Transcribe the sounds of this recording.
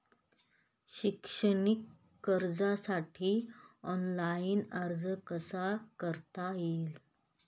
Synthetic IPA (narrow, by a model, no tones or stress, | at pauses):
ɕikʂənikː | əɾd͡zasaʈʰiːɔnlainəɾd͡zəkəsakəɾt̪ail